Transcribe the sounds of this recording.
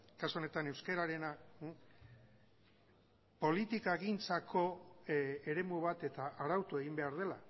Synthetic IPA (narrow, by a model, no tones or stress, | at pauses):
kasuo̞ne̞t̪ane̞wske̞ɾaɾe̞na | po̞lit̪ikaeɣint͡sakʰo̞ | e̞ɾe̞muβ̞at̪e̞t̪aʔaɾawt̪ue̞ɣ̞imbe̞aɾð̞e̞la̰